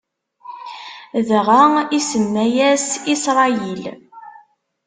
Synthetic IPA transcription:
ðʁəisənːæjæsisɾˤɑjil

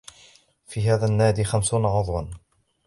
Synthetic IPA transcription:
fiːɦaːðanːaːd̪iːxamsuːnaʕʊðˤwɑn

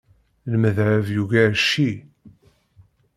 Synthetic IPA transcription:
lməðʕəvjuʝæʃːi

